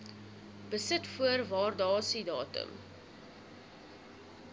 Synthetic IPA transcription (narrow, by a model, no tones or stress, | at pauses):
b̥əsətfuərvɑːrdɑːsidɑːtə̰m